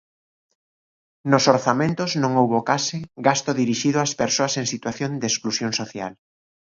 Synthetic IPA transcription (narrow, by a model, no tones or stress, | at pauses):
nosoɾθamẽnt̪ʊznõŋowβokasɪɡast̪ʊðiɾiʃiðʊaspeɾsoaseŋsit̪waθjond̪esklusjoŋsoθja̰l